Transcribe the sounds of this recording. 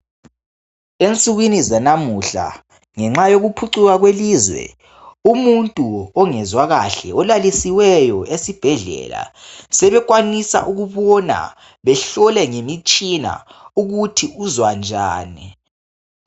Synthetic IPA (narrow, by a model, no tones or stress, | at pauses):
ent͡sʼuɣwinizanamuɬa̰ | ŋɛŋ͡ǁajoɣupʰuǀuɣaɣweliːzwɛ̰ | umuntʼuɔŋɛzwaɣa̰ɬɛɔlalisiwɛjɔesib̥ʱɛɮɛ̰la̰sɛβɛɣwanisa̰ʔuɣuβɔna̰ | βɛɬɔlɛŋemit͡ʃʼina̰uɣutʰiuzwand͡ʒʱa̰ːni